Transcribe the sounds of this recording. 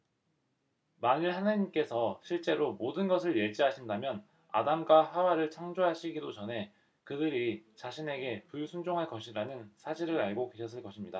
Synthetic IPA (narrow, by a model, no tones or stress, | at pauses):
maɲɯɭhanaɲimk͈e̞sʰʌɕʰiɭt͡ɕ͈e̞ɾomodɯnɡʌs̬ʰɯɭje̞d͡ʑiɦaɕʰindamjʌn | a̰damɡwaɦawaɾɯɭt͡ɕʰaŋd͡ʑoɦaɕʰiɡidot͡ɕʌnɦe̞ | kɯdɯɾit͡ɕaɕʰine̞ɡe̞puɭsʰund͡ʑoŋɦaɭk͈ʌɕʰiɾanɯnsʰaɕʰiɾɯɾaɭɡokwe̞ɕʰʌs͈ɯɭk͈ʌɕʰimɲida